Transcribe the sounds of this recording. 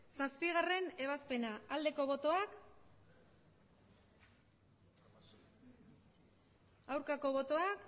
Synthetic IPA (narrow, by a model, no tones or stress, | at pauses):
saspiɣare̞ne̞β̞aspe̞naald̪e̞ko̞β̞o̞t̪o̞ak | awɾkako̞βo̞t̪o̞ak